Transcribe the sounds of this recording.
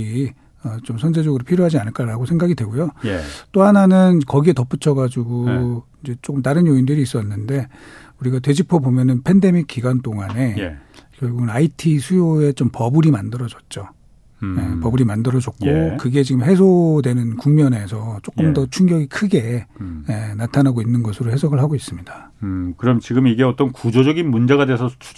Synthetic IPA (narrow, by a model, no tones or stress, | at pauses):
i | ʌt͡ɕomsʰʌnd͡ʑed͡ʑʌɡɯɾopʰiɾjoɦad͡ʑianɯɭk͈aɾaɡosʰe̞ŋɡaɡidwe̞ɡojot͈ohananɯnkʌɡie̞tʌp͈ut͡ɕʰʌɡad͡ʑuɡoind͡ʑe̞t͡ɕ͈ok͈ɯmtaɾɯnjoindɯɾiːs͈ʌnːɯnde̞ | uɾiɡatwe̞d͡ʑipʰobomjʌnɯnpʰe̞nde̞mik͈̚iɡwant͈oŋane̞kjʌɭɡuɡɯnaitʰisʰujoe̞t͡ɕompʌbɯɾimandɯɾʌd͡ʑʌt̚t͡ɕ͈o | jepʌbuɾimandɯɾʌd͡ʑʌk̚k͈okɯɡe̞t͡ɕiɡɯmɦe̞s̬ʰodwe̞nɯnkuŋmjʌne̞sʰʌt͡ɕ͈okk͈ɯmdʌt͡ɕʰuŋɡjʌɡikʰɯɡe̞jenatʰanaɡoinːɯnɡʌsʰɯɾohe̞sʰʌɡɯɭɦaɡois͈ɯmɲid̥akɯɾʌmt͡ɕiɡɯmiɡeʌt͈ʌnkud͡ʑod͡ʑʌɡinmund͡ʑe̞ɣadwesʰʌu̥